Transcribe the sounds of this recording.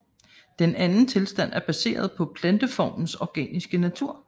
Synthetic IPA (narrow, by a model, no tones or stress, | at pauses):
d̥enænn̩t͡sʰe̝lsd̥æn̰æɐb̥æse̝̰ːɐð̞ˠpʰɒ̽pʰlænd̥əfɒ̰ːmn̩sɒɡ̥ɛ̰ːnisɡ̥ənæt͡sʰuɐ̰